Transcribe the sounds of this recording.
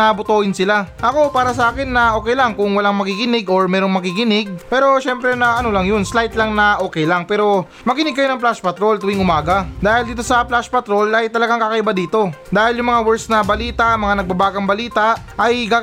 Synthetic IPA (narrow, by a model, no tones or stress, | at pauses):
ɐbʊt̪oːhɪnsɪlaʔɐko̞paːɾɐs̬ɐʔaːkɪnːɐʔoːkɛjlaŋkʊŋwɐlaŋmɐkikɪnɪɡo̞ɹmɛːɾo̞ŋmɐkikɪnɪɡ̚pɛːɾo̞ʃɛmpɾɛnɐʔɐno̞lɐŋjonslajt̪laŋnɐʔo̞ːkɛjlaŋpɛːɾo̞ | mɐkɪnɪɡ̚kɐjonɐŋplaspɐt̪ɾo̞lt̪ʊwiŋʊmaːɡɐd̪aːhɪld̪iːt̪o̞sɐplaspɐt̪ɾo̞lɐjt̪ɐlɐɡaŋkakɐʔɪbad̪iːt̪o̞d̪aːhɪljʊŋmɐŋawɛɹsnɐbɐliːt̪ɐmɐŋanɐɡ̚bɐbaːɡɐŋbɐliːt̪ɐʔɐjka